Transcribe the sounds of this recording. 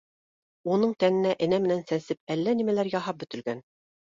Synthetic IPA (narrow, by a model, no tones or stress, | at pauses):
unɤɴt̪ænɘ̆næʔɘ̆næmɘ̆nænsænsɘp̚ælːænimælæɾjɑɦɑp̚bɵ̆t̪ɘ̆lɡæn